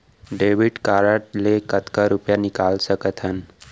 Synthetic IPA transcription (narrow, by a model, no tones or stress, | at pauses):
ɖeːʋiɖkaːɾəʈlekət̪kaɾupjanɪkaːlsəkət̪ɦən